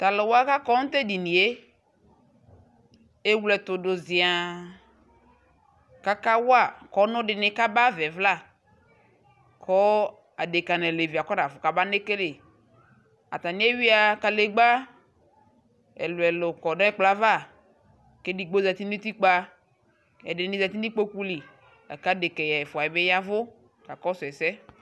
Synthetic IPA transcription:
t̪a˨le˨wo˦a˦ka˦kɔ˦ŋ̩˦t̪e˦di˨nĩ˨e˦ | e˦wlɛ˨t̪ʊ˨dʊ˨zɪ˨a˨ | ka˦ka˦wo˦a˦˨kɔ˦nʊ̃˦ɖɪ˨nɪ˨ka˦ba˦vɛ˨vla˦˨ | kʰɔ˦ | a˨de˨ka˨nɛ˨le˨vi˨a˨kɔ˦na˨fʊ˨ka˨ba˦ne˦ke˦le˨ | a̰˨t̪a˨ni˦e˦wi˦a˨ka˨le˨ɡ͡ba˦ | ɛ̰˨lʊ˨ɛ˨lʊ˨kɔ˨nɔ̃˦ɛ˦k͡pla˦va˦˨ | ke˦di˨ɡ͡bo˦za˨ti˦ni˦t̪i˦k͡pa˦ | ɛ˨dɪ˨nɪ˦nɪ˦za˨t̪i˦nɪ˦k͡po˦ku˦li˨ | a̰˨ka˦de˨kɛ˨jɛ˨ɛ˨fʊ˨a˨jɛ˨bɛ˦ja˦vʊ˦ | ka˨kɔ˦sʊ˨ɛ˨sɛ˦

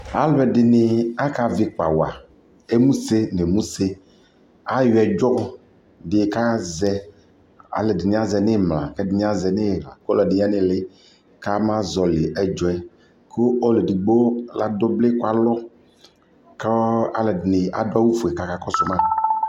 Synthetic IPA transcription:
a˦lbɛ˨dɪ˨nɪ˨a˦ka˨vɪ˨k͡pa˨wa̰˨ | e˦mũ˦se˦ne˨mũ˦se˦ | a˦jɛ˨d͡ʒɔ˦ɔ˦ | dɪ˨ka˦zɛ˦ | a̰˨lɛ˨dɪ˨nɪ̃˨a˦zɛ˨nɪ˦˨mlã̰˨kɛ˦dɪ˨nɪ̃˦a˦zɛ˨nɪ˦˨la˨kɔ˦lɛ˨dɪ˨˦a˦nɪ˦˨lɪ˦ | ka˦mã˦zɔ˨lɪ˨ʔɛ˨d͡ʒɔ˨ɛ˦ | ko˦ɔ˦le˨di˨ɡ͡bo˦la˨do˦blɪ˦kwa˦lɔ˦ | ka˦a˨lɛ˨dɪ˨nɪ˨a˨dʊ˦a˦wu˦fu˨ɛ˨ka˨ka˨kɔ˦sʊ˦mã˦˨

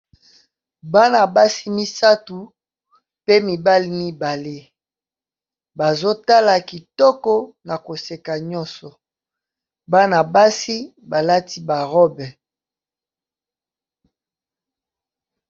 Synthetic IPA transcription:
ba˦na˨ba˦si˦mi˦sa˦tu˨ | pe˦mi˨ba˦li˦mi˦ba˨le˦ | ba˨zo˦ta˦la˨ki˨tɔ˦kɔ˦na˨ko˨se˨ka˨ɲɔ̃˦nsɔ˨ | ba˦na˨ba˦si˦ | ba˨la˦ti˦ba˨ʁɔ˦bɛ˨

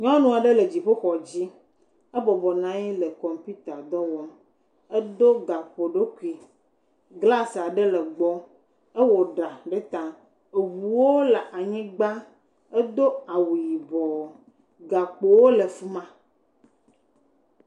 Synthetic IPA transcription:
ɲɔ̃˦nũ˨a˨ɖe˦le˨d͡ʑi˨ɸo˦xɔ˨d͡ʑi˦ | ə˦bɔ˨bɔ˨nã˦ji˦lə˨kɔ˨mpi˦t̪a˨d̪ɔ˦wɔ˦m | ɛ˦d̪o˦ɡa˨k͡po˨ɖo˦ku˦˨i˨ | ɡla˦sa˨ɖe˦lə˨ɡ͡bɔ˦ | e˦wɔ˨ɖa˨ɖe˦t̪a˨ | e˨wu˨wo˦la˨ʔa˨ɲĩ˦ɡ͡ba˦ | e˦d̪o˦a˨wu˨ji˨bɔ˨ | ɡa˨k͡po˨wo˦le˨fu˦mã˦

